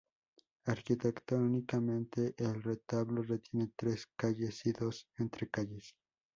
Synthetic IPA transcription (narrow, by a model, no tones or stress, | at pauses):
aɾkit̪ekt̪onikamẽ̞nt̪e̞ʔelret̪aβlo̞ret̪je̞net̪ɾeskaʝesiðo̞sent̪ɾekaʝes